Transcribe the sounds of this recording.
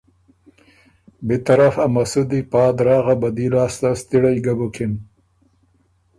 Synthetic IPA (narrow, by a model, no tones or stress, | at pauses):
bet̪aɾafamasud̪ipɑːd̪ɾɑːɣabad̪ilɑːst̪ast̪iɽajɡabukɪn